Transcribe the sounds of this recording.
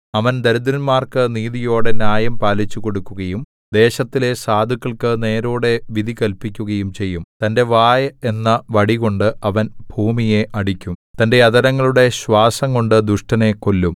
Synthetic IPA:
ɐʋɐnd̪ɐɾud̪ɾɐnmaːrkɨniːðijo̞ːɽe̞njaːjɐmpaːlit͡ɕːuko̞ɽukːuɣɐjum | d̪e̞ːɕɐt̪ːile̞saːd̪ʱukːɐɭkɨne̞ːɾuːɽe̞ʋid̪ʱikɐlpikʲːuɣɐjumt͡ɕe̞jːumt̪ɐnde̞ʋaːjɐe̞nːɐʋɐɽiɣo̞ɳɖɨɐʋɐnb̥ʱuːmije̞ʔɐɽikʲːumt̪ɐnde̞jɐd̪ɐɾɐŋːɐɭuɽe̞ɕwaːsɐŋko̞ɳɖɨd̪uʂʈɐne̞kːo̞lːum

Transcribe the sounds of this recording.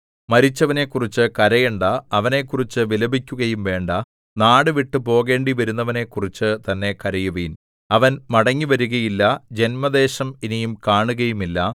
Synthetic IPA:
mɐɾit͡ɕːɐʋɐne̞kːurit͡ɕːɨkɐɾɐjeɳɖɐːʋɐne̞kːurit͡ɕːɨʋilɐbikʲːuɣɐjumʋe̞ːɳɖɐ | naːɽɨʋiʈːɨpo̞ːɣe̞ːɳɖiʋɐɾunːɐʋɐne̞kːurit͡ɕːɨt̪ɐnːe̞kɐɾɐjuʋin | ɐʋɐnmɐɽɐŋːiʋɐɾuɣɐjilːɐd͡ʑe̞nmɐd̪e̞ːɕɐminijumkaːɳuɣɐjumilːɐ

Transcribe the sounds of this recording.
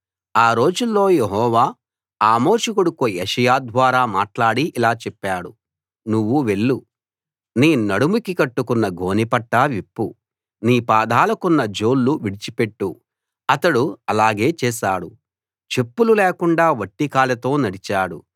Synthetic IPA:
aːɾo̞ːd͡ʒulːo̞ːjeɦɔːʋaː | aːmo̞ːʂukuɽukujeʂɐjaːd̪ʋaːɾaːmaːʈlaːɽiʔilaːt͡ʃɛpːaːɽu | nuʋːuʋe̞ɭːu | niːnɐɽumukikɐʈːukunːɐɡʱo̞ːnipɐʈːaʋipːu | niːpaːd̪aːlɐkunːɐd͡ʒoːlːuʋiɽit͡ʃipe̞ʈːu | ɐt̪ɐɽuɐlaːɡe̞ːt͡ʃɛːʃaːɽu | t͡ʃe̞pːululeːkuɳɖaːʋɐʈːikaːlɐt̪o̞ːnɐɽit͡ʃaːɽu

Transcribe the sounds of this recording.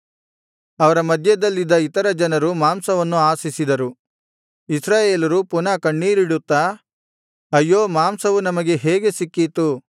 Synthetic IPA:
ɐʋɐɾɐmɐd̪ʱjɐd̪ɐlːid̪ːɐit̪ɐɾɐd͡ʒɐnɐɾumaːmsɐʋɐnːuaːsisid̪ɐɾu | isɾaːjeːlɐɾupunakɐɳːiːɾiɽut̪ːa | ɐjːoːmaːmsɐʋunɐmɐɡe̞ɦeːɡe̞sikːit̪u

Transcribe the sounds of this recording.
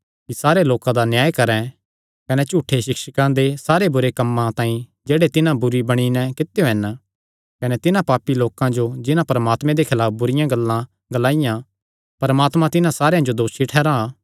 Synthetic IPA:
kisaːɾeloːkãd̪anjaːjkɐɾɛ̃ | kɐnɛt͡ʃuːʈʰːeʃɪkʃəkãd̪esaːɾebʊɾekɐmːãt̪ãːĩ | d͡ʒeːɽet̪ɪnãbʊɾibɐɽ̃inɛkɪt̪ːejoɛːn | kɐnet̪ɪnãpaːpːiloːkãd͡ʒod͡ʒɪnãpɐɾmaːt̪mẽd̪ekʰɪlaːp̚ʰbʊɾɪjãɡɐlːã | ɡɐlaːijã | pɐɾmaːt̪mãt̪ɪnãsaːɾejãd͡ʒod̪oːʃiʈʰɛːɾãː

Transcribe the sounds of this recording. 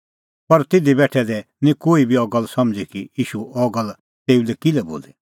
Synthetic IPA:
pɐɾt̪ɪd̪ibɛːʈʰɛd̪ɛ | nĩkoːibiɔɡəlsɐmd͡zikijiːʃuɔɡəl | t̪eːulɛkilɛbo̰ːli

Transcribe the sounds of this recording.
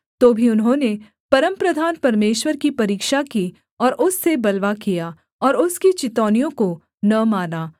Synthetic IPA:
t̪oːbʱiʊnɦõːne | pɐɾəmpɾɐd̪ʱaːnpɐɾmeːʃwəɾkipɐɾiːkʃaki | ɔːɾʔʊsːebɐlʋakija | ɔːɾʊskit͡ʃɪt̪ɔːnijõko | nɐmaːnaː

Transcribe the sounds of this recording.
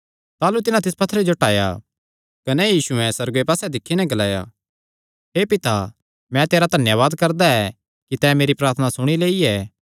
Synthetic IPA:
t̪aːlut̪ɪnãt̪̬ɪspɐt̪ʰːəɾed͡ʒoʈaːja̰ | kɐnɛjiːsuɛ̃sɐɾɡoepaːsɛd̪ɪkʰːinɛɡɐlaːja̰ | ɦeːpɪt̪a | mɛ̃t̪eːɾad̪ʱɐnjaʋaːd̪kɐɾd̪aɛ | kit̪ɛmeːɾipɾaːɾt̪ʰnasʊɽ̃ileːiɛː

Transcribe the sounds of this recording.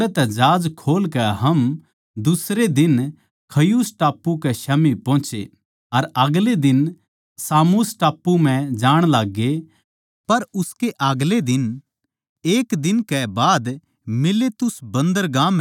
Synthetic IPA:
ɛt̪ɛd͡ʒaːd͡ʒkʰoːlkɛɦɐm | d̪ʊsɾed̪ɪn | kʰɐjusʈaːpːukɛʃamipɔ̃ːt͡ʃḛ | ɐɾɐɡled̪ɪn | saːmusʈaːpːum̤ɛ̃d͡ʒaːɽ̃laːɡːe | pɐɾʊskeʔaɡled̪ɪn | eːkd̪ɪnkɛbaːd̪ | mɪlet̪ʊsbɐ̃nd̪əɾɡãːmɦ

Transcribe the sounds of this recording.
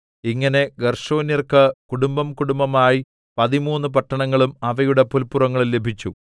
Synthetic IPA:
iŋːɐne̞ɡɐrʂo̞ːnjɐrkɨkuɽumbɐmkuɽumbɐmaːji | pɐðimuːnːɨp̬ɐʈːɐɳɐŋːɐɭumɐʋɐjuɽepulpːurɐŋːɐɭilːe̞bʱit͡ɕːu

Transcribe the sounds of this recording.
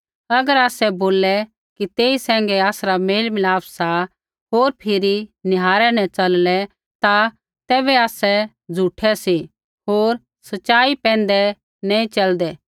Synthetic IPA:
ɐɡəɾaːsɛboːlɛ | kit̪eːisɛ̃ːŋ̆ɡɛaːsɾameːlmɪlaːpʰsa | ɦoːɾpʰɪɾinɪɦaːɾɛnɛ̃t͡ʃɐllɛ | t̪a | t̪ɛːbɛaːsɛ | d͡zʱuːʈʰɛsi | ɦoːɾ | sɐtt͡ʃaːipɛ̃ːnd̪ɛ | nɛ̃ĩt͡ʃɐld̪ɛː

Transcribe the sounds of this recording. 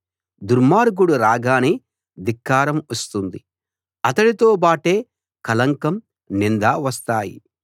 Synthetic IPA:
d̪uɾmaːɾɡuɽuɾaːɡaːni | d̪ikːaːɾɐmɐst̪und̪i | ɐt̪ɐɽit̪o̞ːbaːʈe̞ː | kɐlɐŋkɐm | nind̪aːʋɐst̪aːjḭ

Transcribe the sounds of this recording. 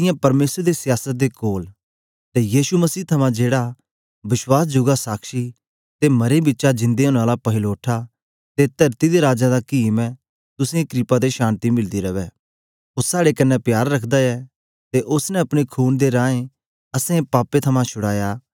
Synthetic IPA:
t̪ɪ̃jãpɐɾmeːsɾd̪esɪjaːsət̪̚d̪ekoːl | t̪ejiːʃumɐsiːt̪ʰɐmãd͡ʒeːɽa | bɪswaːs̬d͡ʒʊɡasaːkʃi | t̪emɐɾebɪːʃad͡ʒɪ̃nd̪eɦʊñaːlapɐɦɪloːʈʰa | t̪et̪ɐɾt̪id̪eɾaːd͡ʒãd̪akiːmɛ̃ | t̪ʊsẽekɾɪpad̪eʃãːnt̪imɪld̪iɾɐʋɛː | ʊːaːɽekɐnːɛpjaːɾːɐkʰd̪aɛ | t̪eʔʊsnɛɐpɽ̃ikʰuːnd̪eɾãːẽ | ɐsẽẽpaːpet̪ʰɐmãt͡ʃʰʊɽaːjaː

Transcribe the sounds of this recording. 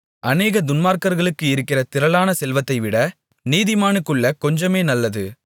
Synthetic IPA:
ʔɐneːɣɐd̪ʊnmaːɾkɐɾɣɐɭɯkːɯɪɾɯkːɪrɐt̪ɪɾɐlaːnɐsɛlʋɐt̪ːɐɪʋɪɽɐ | niːðɪmaːnɯkːɯɭːɐkɔɲd͡ʒɐmeːnɐlːɐðɯ

